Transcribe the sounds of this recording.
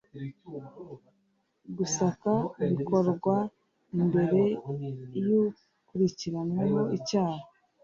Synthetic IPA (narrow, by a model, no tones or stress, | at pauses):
ɡusakaβiko̞ɾɡwa | imbe̞ɾe̞ | ju | kuɾiciɾanwemoicaːha